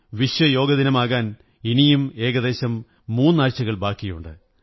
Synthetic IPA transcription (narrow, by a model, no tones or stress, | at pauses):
ʋiɕwɐjo̞ːɡɐðinɐmaːɣaːn | inijume̞ːɣɐd̪e̞ːɕɐmː | uːnːaːɻt͡ɕːɐɣɐɭbaːkːijṵɳɖɨ